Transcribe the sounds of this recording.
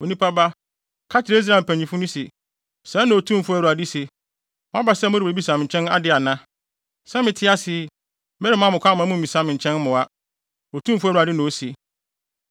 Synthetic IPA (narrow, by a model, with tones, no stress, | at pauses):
o˨nĩ˦pʰa˦ba˦ | kʰa˦t͡ɕʰɪ˨ɾe˦i˦s̬ɾa˦˨pʰæ̃˨ɲ˨ĩ˨fʊ˦nʊ̃˦se˨ | sɛ˨˦nã˨o˨tʰũ˦˨fʊ˦æ˦ɾu˨a˨dɪ˦se˨ | mʊ̃˦a˦ba˨sɛ˦˨mʊ˦ɾɪ˦˨ɾe˦bi˦sã˨m˨ɲ̩˨t͡ɕʰɛ̃˦na̰˦dɪ˨a˨nã˦ | sɛ˦mɪ̃˨tʰɪ˦a˦sɪ˨˦ | mɛ˦ɾɪ˦mã˦mʊ̃˨kʰʷã˦m̃˨˦mũ˦m̩˨ĩ˨sã˦mɪ̃˨ɲ̩˨t͡ɕʰɛ̃˦n˦mʊ̃˨a˦ | o˨tʰũ˦m˨fʊ˦æ˦ɾu˨a˨dɪ˦nʊ̃˨o˦se˨